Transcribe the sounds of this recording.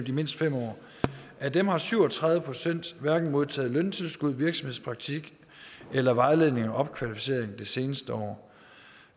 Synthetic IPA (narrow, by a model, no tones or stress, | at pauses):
md̥ime̝n̰sd̥fem̰ɒ̰ː | ʔæd̥emhɑ̈syʊɒ̽t͡sʰʁɑ̈ðˠʋəpʰʁosen̰d̥ʋæɐɡ̥n̩mo̝ð̞ˠt͡sʰɛ̰ːðˠlœnt͡sʰe̝lsɡ̥uð̞̰ˠʋiɐɡ̥sɒ̽me̝ðˠspʰʁɑ̈ɡ̥̚t͡sʰiɡ̥ | elɐʋɑ̈ɪle̝ð̰ˠne̝ŋɒʔɒ̽b̥̚kʰʋælifise̝̰ɐ̰eŋd̥ese̝ːnəsd̥əɒ̰ː